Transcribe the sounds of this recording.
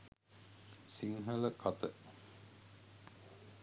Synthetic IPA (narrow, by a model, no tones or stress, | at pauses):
siŋɦələkʰat̪ə